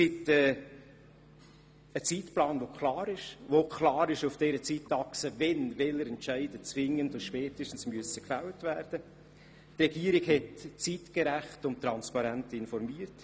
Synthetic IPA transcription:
sɪtɛː | ət͡siːtplɑːnʋokʰlɑːɾɪʃʋokʰlɑːɾɪʃʊfd̥ɛːɾət͡sitːɑksəvɛnvɛləɾɛntt͡ʃæɪd̥ət͡svɪŋːəndʊnʃpɛːtɪʃtən̩smyəsəkfæwtvæɾd̥ə | tɾɛɡiːəɾɪɡɦɛtt͡siːtkɛɾæχtʊmt̪ɾɑnspɑɾæntɪnfɔɾmiːəɾt

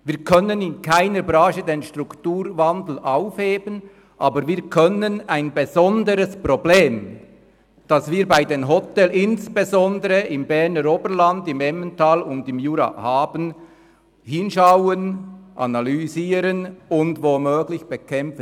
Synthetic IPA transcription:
viːʁkʰœnənɪnkʰaɪnəɾbɾaːʃədeːnʃtʁʊktuːɾvɑndl̩ʔaʊfheːbən | ʔɑːbəɾviːɐkʰœnənaɪnbezɔndəɾəsprobleːm | d̥ɑsviːɐbaɪdeːnɦɔtɛlɪnsb̥ezɔndəɾəʔɪmbɛʁnəɾoːbəɾlandɪmɛməntaːlʊndɪmjuːɾa̰haːbən | hɪnʃaʊənʔɑ̰nalyziːɾənʊndvomøːɡlɪçb̥ekʰɛmfə

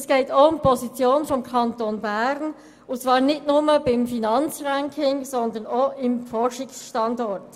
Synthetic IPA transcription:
sɡ̥eːtoʊmpʰɔzit͡sjoːnfɔmkʰɑntonbæɾn | ʊt͡sv̥ɑːɾnɪtnʊməbɪmfinɑnt͡sʁæŋkʰɪŋsɔnd̪ənoɪmfɔɾʃɪksʃtɑndɔɾt

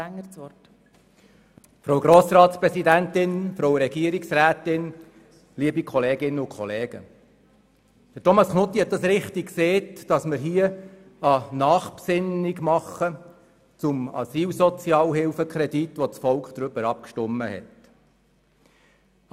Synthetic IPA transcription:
æŋət͡sɔt | fɾowɡɾoːsrɑːtspɾɛsidæntɪnfɾowɾɛɡiəɾiksræːtɪn | liəbikʰɔleːɡɪnːəʊkχɔleːɡ̥ə̰ | d̥ətɔmɑsknʊt̪ːihɛt̪̚d̥̪ɑsɾɪχtikkseːtd̥ɑsməɾɦiːə | ɑnɑːχpsɪniɡmɑχə | t͡sʊmɑ̰siːlsɔt͡sjɑːlɦɪlfəkχɾɛditʋɔt͡sfɔlkχd̥̪ɾʏbəɾɑp̚kʃtʊmːəhɛ̰t

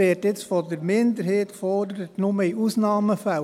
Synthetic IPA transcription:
etjɪt͡sfɔdəɾmɪnd̪əɾheːtkfɔɾdəɾətnʊməiʔusnɑːməfæ

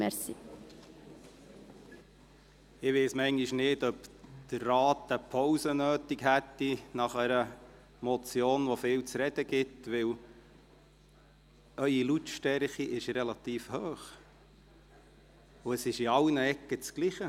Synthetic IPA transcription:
mɛsi | ɪʋeɪsmɛŋɡiʃnɪdœpd̪̥ərːɑːt̪əpʰɔwsənøːt̪ikhæt̪ːinɑχæɾə | mɔt͡sjoːnʋɔfɪːwt͡sɾɛd̥̪əɡ̥ɪtʋɪw | œʏilutʃtɛɾχiʔɪʃɾɛlɑt̪iːfhøːχ | ʊəsɪʃiɑlnəɛkːət͡skliχə

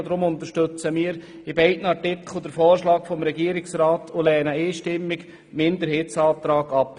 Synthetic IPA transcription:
d̪ɾʊmʊnt̪əʃtøt͡səmiːəɾ | ɪbɛɪtn̩ɑɾtɪkʰll̩ˠd̥̪əɾfɔːɾʃlɑːkfɔmɾɛɡiːəɾɪksɾɑːtʰolɛːnəeːʃtɪmːɪɡ | mɪnd̪əɾheːtsɑːt̪ɾɑːɡɑp

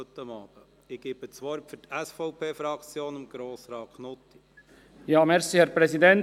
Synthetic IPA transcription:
t̪ːəmɑːb̥ə | ɪɡ̥eːb̥ət͡sʋɔɾpfʏɾtɛsfɔʊpʰeːfɾɑkt͡sjoːnɪmɡ̥ɾoːsɾɑːkʰnʊt̪ːi | jɑːmɛɾsihɛɾpʁɛsidɛnt

